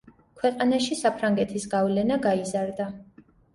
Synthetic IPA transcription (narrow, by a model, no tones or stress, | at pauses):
kʰwɛqʼanaʃisapʰɾaŋɡɛt̪ʰisɡavlɛnaɡaizaɾd̪a